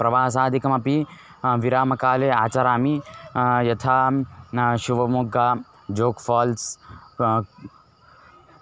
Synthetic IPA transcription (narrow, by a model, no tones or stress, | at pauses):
pɾɐʋaːɦsaːd̪ʱikɐmɐpi | ʋiɾaːmɐkaːleaːt͡ʃaɾaːmijɐt̪ʰaː | ʃuʋɐmuɡaː | d͡ʒoːkfaːls